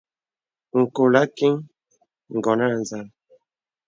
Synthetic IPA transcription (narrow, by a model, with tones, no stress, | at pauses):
ŋ̩˨ko˨la˦ki˦ŋ | ŋ̩˨ɡɔ˨na˦˨n˨za˦˨l